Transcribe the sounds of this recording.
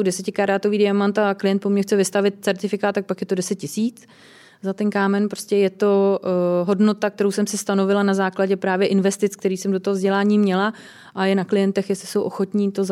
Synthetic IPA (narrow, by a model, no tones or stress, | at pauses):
dɛsɛcɪkaɾaːt̪o̞viːdɪamant̪aklɪjɛnt̪pomɲɛxt͡sɛvɪst̪avɪt̪̚t͡sɛɾt̪ɪfɪkaːt̪t̪ːak̚pakjɛt̪o̞dɛsɛt̪̚cɪsiːt͡s | zat̪ɛnkaːmɛnpɾoscʲɛjɛt̪o̞ɦo̞dno̞t̪ak̚t̪ɛɾowsɛmsɪst̪ano̞vɪlanazaːklaɟɛpɾaːvjɛʔɪnvɛst̪ɪt͡skt̪ɛɾiːsɛmdo̞t̪oɦovzɟɛlaːɲiːmɲɛla | ʔajɛnaklɪjɛnt̪ɛxjɛslɪso̞wʔo̞xo̞t̪ɲiːt̪oz